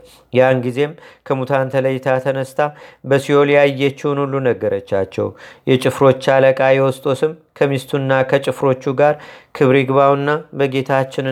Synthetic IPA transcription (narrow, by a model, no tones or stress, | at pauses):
janɡize̞mkʰəmut̪ʰant̪ʰələjɪt̪ʰat̪ʰənəst̪ʰabəsijolijajːɛt͡ʃːɪwunulːunəɡːəɾət͡ʃːa̰t͡ʃːɛ̰wjɛt͡ʃʼɪfɾo̞t͡ʃːaləkʼajɛwɔst̪ʼo̞sɨmkʰəmist̪ʰunːakʰət͡ʃʼɪfɾo̞t͡ʃːuɡaɾkʰɨβɾiɡβawnːabəɡe̞t̪ʰat͡ʃːɪn